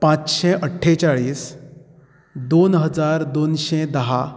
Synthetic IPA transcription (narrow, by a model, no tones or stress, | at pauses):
pãt͡sɕɛʔəʈʰːet͡ɕaɭiːs | d̪onɦəd͡zaɾd̪onɕed̪əɦa